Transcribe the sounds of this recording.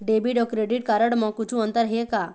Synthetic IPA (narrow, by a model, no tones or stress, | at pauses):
ɖebiɖɔkɾeɖiʈ̚kaɾəɽməkut͡ɕʰũənt̪əɾɦeka